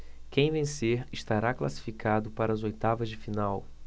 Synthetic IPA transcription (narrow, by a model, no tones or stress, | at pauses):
kẽj̃vẽseɾɪʃt̪aɾakla̰si̥fikad̪ʊpaɾɐazojt̪avɐzd͡ʒɪfinaw